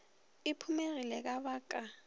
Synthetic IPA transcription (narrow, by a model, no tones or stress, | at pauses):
ɪpʰumerilɛk̬aβaːkʼa